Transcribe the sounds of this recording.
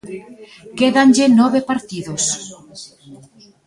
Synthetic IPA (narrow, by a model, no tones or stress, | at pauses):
keðanʲd͡ʒenɔβepaɾt̪iðos